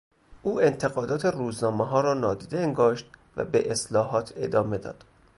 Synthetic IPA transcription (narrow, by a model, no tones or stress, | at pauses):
ʔuːe̞nt̪ʰe̞ɣɒːd̪ɒːt̪ʰeruːznɒːmeɦɒːɾɒːnɒːd̪iːd̪eeŋɡɒːʃt̪̚væ̰bḛʔeslɒːɦɒːt̪ʰe̞̰d̪ɒːme̞d̪ɒ̰ːd̪̥